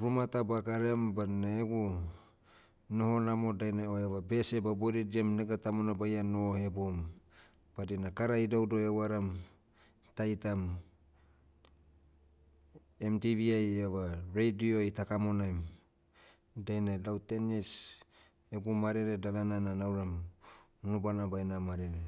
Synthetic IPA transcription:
ɾumatabakaɾembaneeɡu | no̞ho̞namo̞dajneoeβabe̞sebaboɾidiamneɡatamonabajanohe̞bom | b̥adinakaɾaidawdo̞ewaɾam | tajtam | emtiβiajevaɾejdioitakamo̞najm | dajnalawtenis | eɡumaɾeɾedalanananawɾam | unubanabajnamaɾeɾe

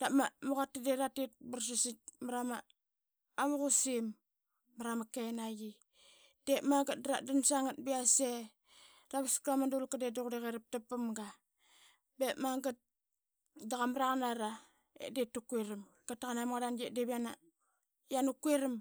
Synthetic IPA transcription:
d̥amamuɣatːadeɾatet̚bars̬isit̚maɾamaː | βuɣusimː | aɾamakenaji | d̥emaŋɡat̚dɾa̰damsaŋat̚biase | ɾaβaskamadulkadedokdeɣeɾip̚tapːamɡa | bemaŋɡat̚ | daɣamɾaɣanaɾa | ḛdetːukueɾim | katːaɣanamɣadanɡedeβiana | janukueɾim

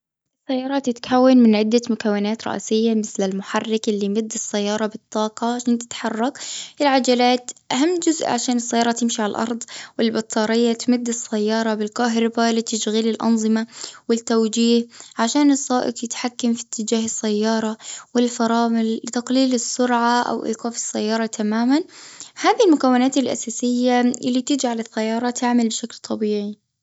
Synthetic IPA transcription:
ʔɪsːajːɑːɾˤɑt̪ɪt̪kʰawːanmɪnʕɪd̪ːamʊkawːɪnaːt̪ɾˤɑ̰ʔsɪjːamɪθlɪlmʊħarˤːɪkʔɪlːimʊd̪ːɪsːajːɑːɾˤɑbɨt̪ˤːɑːqɑʕaʃaːnt̪ɪ̥t̪ħɑrˤːɑkʔɪlʕad͡ʒalaːt̪ʔaɦamːd͡ʒʊzʔʕa̰ʃaːnɪsːajːɑːɾˤɑt̪ːɪmʃiʕalalʔɑ̰ɾˤd̪ˤwɪlbɑt̪ˤʰːɑːɾɪjːat̪mʊd̪ːɪsːajːɑːɾˤɑbɪlqɑːɦɾˤɑbalit̪aʃɣiːlɪlʔɑ̰nzˤɨmawɪt̪ːawd͡ʒiːhʕaʃaːnɨsˤːɑːʔɪ̰qjɪt̪ħakːamfi̥t̪ʰːɪd͡ʒaːɦɪsːajːɑːɾˤɑwɪlfɑɾˤɑːmɪlːɪt̪aqliːlɪsːʊɾʕaʔa̰wʔḭːqɑːfɪ̥sːajːɑːɾˤɑt̪ʰamaːmanhaːðilmʊkawːɪnaːt̪ɪlʔa̰saːsɪjːaɪlːit̪ɪd͡ʒaʕalɪθːajːɑːɾˤɑt̪ʰɪʕmalbɪʃaklt̪ʰˤɑbiːʕi

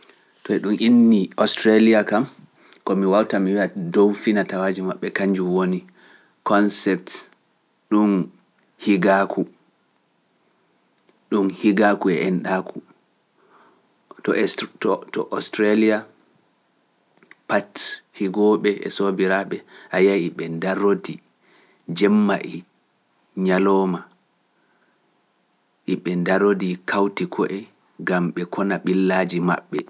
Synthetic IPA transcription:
tɔɛɗumʔinːiɔstɾaliakam | kɔmiwawtamiwiadowfinatawaːd͡ʒimaɓːɛkaɲd͡ʒuwoni | kɔnsɛp̚t | ɗun | hiɡakʰu | ɗunhiɡakuɛ̰ʔɛnɗakʰu | tɔtɔtɔʔɔstɾalia | pathiɡɔɓɛɛ̰sobiɾaɓɛʔajajiɓɛndaɾodi | d͡ʒɛmːaʔi | ɲalɔːma | ʔiɓɛndaɾodikʰawtikʰɔʔɛ | ɡamɓɛkʰɔnaɓilːad͡ʒima̰ɓːɛ

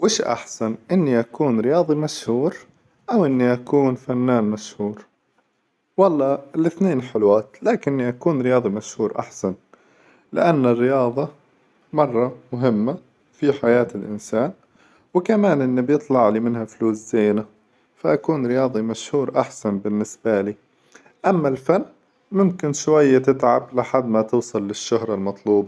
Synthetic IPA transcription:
wɪːʃʔa̰ħsanʔɪnːiʔakuːnɾɪjɑːðˤimaʃhuːɾ | ʔawʔɪnːiʔakuːnfanːaːnmaʃhuːɾ | wɑlˤːɑːlɪθneːnħɪlwaːt̪laːkɪnːiʔakuːnɾɪjɑːðˤimaʃhuːɾʔa̰ħsan | lɪ̰ʔanːɪrːɪjɑːðˤɑ | mɑrˤːɑmʊɦɪmːa | fiħajaːt̪ɪlʔɪ̰nsaːn | wɪkamaːnʔɪnːibjɨt̪ˤlɑʕlimɪnhafluːszeːna | faʔakuːnɾɪjɑːðˤimaʃhuːɾʔaħsanbɪnːɪsbaliː | ʔamːalfanː | mʊmkɪnʃwajːat̪ɪt̪ʕablɪħad̪ːmat̪ʊːsˤɨlːɪʃːʊhɾˤɑlmɑt̪ˤluːbɑ

